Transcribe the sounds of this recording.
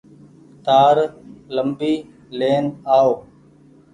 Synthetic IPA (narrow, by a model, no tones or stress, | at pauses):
t̪aːɾləmbiː | leːnaːoː